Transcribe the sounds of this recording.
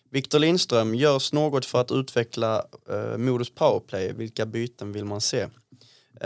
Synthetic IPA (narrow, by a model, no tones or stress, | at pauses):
vɪkt̪ʊɭɪnst̪ɾœmjœːsnoːɡɔt̪fœɾat̪ʉ̟ːt̪vɛkʰlamuːd̪ʊspʰaʊəɾpʰlɛjvɪlkabyːt̪ənvɪlmanseː